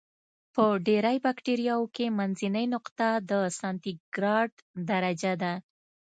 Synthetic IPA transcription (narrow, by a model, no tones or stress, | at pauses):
pəɖeɾajbakʈeɾijɑwkemanzinəjnʊqt̪ad̪əsɑnt̪iɡ̥ɾɑɖd̪aɾad͡ʒad̪a